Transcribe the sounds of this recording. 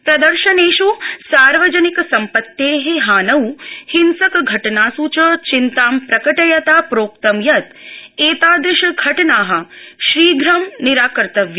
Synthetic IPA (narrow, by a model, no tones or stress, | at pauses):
pɾɐd̪ɐɾʃɐneːʃusaːɾʋɐd͡ʒɐnikɐsɐmpɐt̪ːeːɦeɦaːnɐwhinsɐkɡʱɐʈɐnaːsuːt͡ʃɐt͡ʃint̪aːmpɾɐkɐʈɐjɐt̪aːpɾoːkt̪ɐmjɐt̪eːt̪aːd̪ɪʃɐɡʱɐʈɐnaːɦɐ̆ʃɾiːɡʱɾɐmniɾaːkɐɾt̪ɐʋjɐ